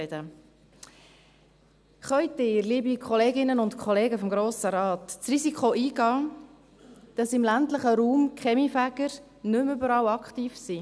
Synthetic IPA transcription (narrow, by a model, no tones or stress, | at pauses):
də | χœʏttɪːɾliːbikχɔleːɡɪnːənʊntkʰχɔleːɡəfɔmɡɾoːsəɾɑːt̪t͡sɾizikχoʔiːɡɑː | d̥ɑsɪmlæntləχəɾuːmkχɛmifæɡəɾ | nʏmʏbəɾɑwɑktiːfsi